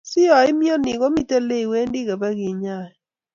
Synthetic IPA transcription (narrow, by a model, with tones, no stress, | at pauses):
si˦ɔ˨i˦mi˦ɔ˦ni˨ɣo˦mi˦te˦le˦i˨we˦ndi˦ɣe˨βɛ˦ɣi˨ɲa˦˨ɛ˨